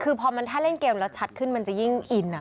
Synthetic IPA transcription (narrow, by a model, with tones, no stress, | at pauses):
kʰɯː˧pʰɔː˧ma˧nt̪ʰaː˥˩le˥˩nkeː˧mlɛː˦˥wt͡ɕʰa˦t̪̚kʰɯ˥˩nma˧nt͡ɕa˨˩ji˥˩ŋʔi˨˩nːa˨˩